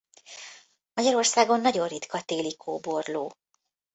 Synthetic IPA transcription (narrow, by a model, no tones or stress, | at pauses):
mɒɟɒɾo̞rsaːɡo̞nːɒɟo̞nrrit̪kʰɒt̪eːlikʰoːbo̞rloː